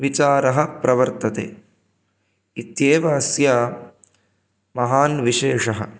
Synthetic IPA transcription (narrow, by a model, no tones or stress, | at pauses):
ʋit͡ʃaːɾɐɦɐ̆pɾɐʋɐɾt̪ɐt̪ḛː | it̪jeːʋɐːsjaː | mɐɦaːnʋiʃeːʂɐɦɐ̰̆